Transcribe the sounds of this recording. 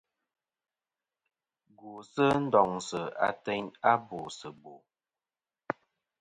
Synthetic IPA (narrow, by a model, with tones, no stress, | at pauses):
ɡu˨sə˦n̩˦dɔ˨ŋsə˨a̰˦tɛ˦ɲa˦bo˨sə˨bo˨